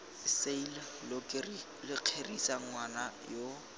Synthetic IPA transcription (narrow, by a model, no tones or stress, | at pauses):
ɪseil | kr | lɪq͡χʰerisaŋ̩wanajo